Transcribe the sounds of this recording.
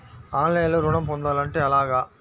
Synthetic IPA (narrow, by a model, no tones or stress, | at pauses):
aːnlɐjɐloːɾʊɳɐmpond̪aːlɐɳʈeːɐlaːɣaː